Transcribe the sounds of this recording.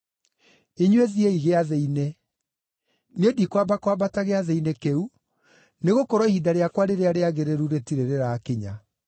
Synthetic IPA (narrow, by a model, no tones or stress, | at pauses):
eɲweðieiɣeaðeine | nedikwabakwabataɣeaðeinekeu | neɣokɔɾɔihidaɾeakwaɾeɾeaɾeaɣeɾeɾuɾetiɾeɾeɾaːkeɲa